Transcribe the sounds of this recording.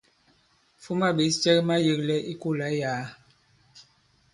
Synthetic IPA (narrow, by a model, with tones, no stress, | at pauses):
fu˦ma˦be˨˦t͡ʃɛ˦kma˦je˨klɛ˦ʔi˦ku˦˨la˨˦jaː˨˦